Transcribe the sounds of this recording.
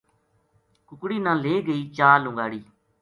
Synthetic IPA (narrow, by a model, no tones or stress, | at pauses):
kʊkɽiːnãːleːɡəiːt͡ʃaːlʊ̃ŋɡaːɽiː